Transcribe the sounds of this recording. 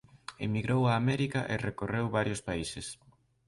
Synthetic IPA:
ḛmiɣɾowaːmɛɾikaʔerekorewβaɾjospaises

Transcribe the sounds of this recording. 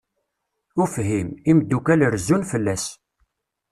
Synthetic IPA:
ʊfɦimimd̪ːukæləɾzːunfəlːæs

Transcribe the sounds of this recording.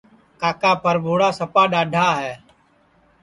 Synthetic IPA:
kaːkaːpʰəɾbʱoːɽaːsəpaːɗaːɖʱaːɦɛː

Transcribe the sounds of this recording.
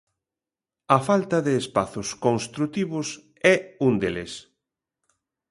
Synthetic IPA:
ɐfalt̪ɐðeːspaθʊskonst̪ɾut̪iβʊs | ɛund̪eles

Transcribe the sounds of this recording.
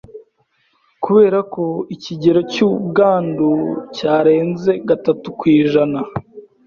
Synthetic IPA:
kuβe̞ːɾako̞iciɟe̞ɾo̞cubɡaːnducaːɾe̞ːnze̞ɡatatukwiːʒana

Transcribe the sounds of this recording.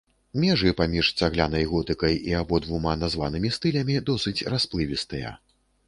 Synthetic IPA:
mʲɛʐɨpamʲiʂsʲaɣlʲanɐjɣɔt̪ɨkɐjiabɔd̪vumanazvanɨmʲist̪ɨlʲɐmʲid̪ɔsɨt͡sʲrasplˠɨvʲist̪ɨjɐ̰

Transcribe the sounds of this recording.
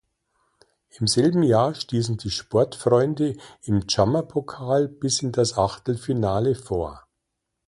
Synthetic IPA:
ʔɪmzɛlbm̩jaːɐʃtiːsn̩diːʃpɔɐtfʁɔʏndəʔɪmt͡ʃamɐpʰokʰaːlb̥ɪsɪndasʔaχtl̩finaːləfoːɐ

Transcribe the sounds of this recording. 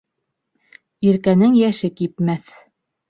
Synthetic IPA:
iɾkænɘŋjæʃɘkipmæθ

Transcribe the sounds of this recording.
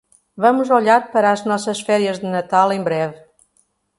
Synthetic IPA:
vɐmuzoʎaɾpɐɾɐːʒnɔsɐʃfɛɾiɐʒðɨnɐt̪alˠẽbɾɛvɨ

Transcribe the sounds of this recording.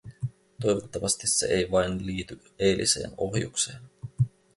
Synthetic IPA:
t̪o̞jʋot̪ːɑʋɑst̪isːe̞̰ʔejʋɑjnliːt̪y | e̞jlʔḭse̞̰ːno̞hjṵkse̞ːn

